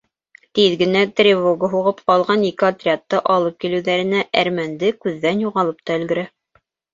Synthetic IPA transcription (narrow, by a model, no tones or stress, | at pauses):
t̪iðɡɘ̆næt̪rʲɪvoɡəɦuʁɤpqɑlˠʁɑnikɘat̪rʲɪat̪ːɤʔɑlˠɤp̚kilɘ̆wðæɾɘ̆næʔæɾmænd̪ɘkʉðːænjuʁɑlˠɤp̚t̪ɑɘ̆lɡɘ̆ɾæ